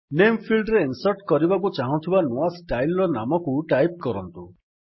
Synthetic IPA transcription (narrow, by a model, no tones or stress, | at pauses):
nempʰilɖɾeinsɔɾʈkɔɾibakut͡ʃaɦɔ̃nt̪ʰibanoasʈajlɾɔnamɔkuʈajp̚kɔɾɔnt̪u